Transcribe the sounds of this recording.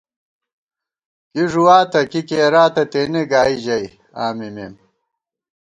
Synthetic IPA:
kiʐuwaːt̪ɐkikeːɾaːt̪ɐt̪eːneɡaːid͡ʑɐj | aːmimeːm

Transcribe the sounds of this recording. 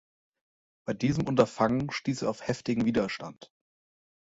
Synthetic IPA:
b̥aɪdiːzəmʔʊntɐfaŋənʃtiːseːɐaʊfhɛftɪɡŋ̩viːdɐʃtant

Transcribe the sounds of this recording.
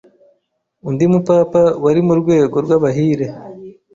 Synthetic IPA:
undimupapawaɾimuɾɡwe̞ːɡo̞ɾɡwaβaɦiːɾe

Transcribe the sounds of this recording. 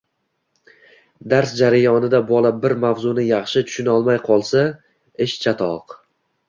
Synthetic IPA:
d̪aɾsd͡ʒaɾajɒnɪd̪abɒlˠabɪɾmavzʊnɪjɑχʃɪt̪ʰʊ̥ʃɪnɒlˠmajqʰɒlˠsa | ɪʃt͡ʃʰat̪ʰɒq

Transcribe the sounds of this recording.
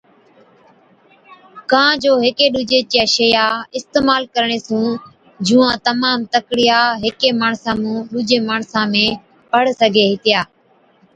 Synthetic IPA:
kãːd͡ʒoːɦɪkeːɗuːd͡ʒeːt͡ʃeːʃejaːɪst̪eːmaːlkəɾɳ̃eːsũː | d͡ʒũːãːt̪əmaːmt̪əkɽɪjaːɦɪkeːmaːɳsãːmũːɗuːd͡ʒeːmaːɳsãːmẽː | pəɽsəɡʱeːɦɪt̪ɪjaː

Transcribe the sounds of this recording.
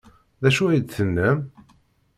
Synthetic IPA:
ðæʃuæjd̪θənːæm

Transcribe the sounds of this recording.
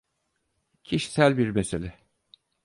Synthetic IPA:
cʰiʃi̥sælʲbiɾmeselʲɛ

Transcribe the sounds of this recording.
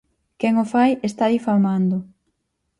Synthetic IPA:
kɛŋʊfajest̪aðifalmand̪ʊ

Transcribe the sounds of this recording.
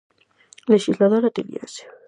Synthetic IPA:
leʃislaðoɾat̪elḭa̰se̥

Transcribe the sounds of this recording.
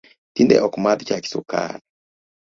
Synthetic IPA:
tindɛ̰ʔɔkmaðt͡ʃaki̥sṵka̰nɔ

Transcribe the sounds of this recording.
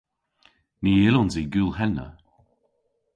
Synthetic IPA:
niːɪlɔnziːɡuːlˠhɛnːə̰

